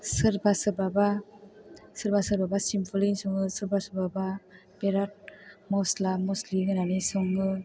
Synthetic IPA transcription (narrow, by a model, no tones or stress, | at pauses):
sɯɾbasɯbaba | sɯɾbasɯɾbabasimpʰɔlinsɔŋɯsɯɾbasɯbaba | beɾat̚mɔslamɔsliŋɯnanisɔŋɯ